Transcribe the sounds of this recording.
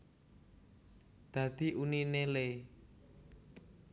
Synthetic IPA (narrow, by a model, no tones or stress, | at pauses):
d̪̥ä̤d̪̥i̤ʔuninele